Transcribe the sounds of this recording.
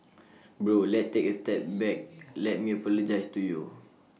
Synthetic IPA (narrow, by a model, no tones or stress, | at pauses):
bɹolɛtstekəstɛp̚bɛk̚lɛt̚mipɛləd͡ʒajstuju